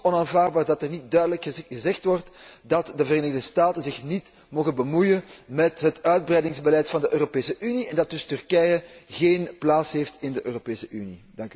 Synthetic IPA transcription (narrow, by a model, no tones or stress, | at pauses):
ɔnaːnvaːrdbaːrdɑtɛrnit̚dœɥdələkəɣəzɛxtʋɔrtdɑtdəvəreːnəɪɣdəstaːtənzɪxnit | moːɣənbəmujənmɛtɦətœɥd̚brɛjdɪŋzbəlɛjtfɑndəʔøːropeːsəʔyniɛndɑt̚d̥ɵstʏrkɛjəɣeːnplaːtsɦeːftɪndəʔøːropeːsəʔynḭdɑŋk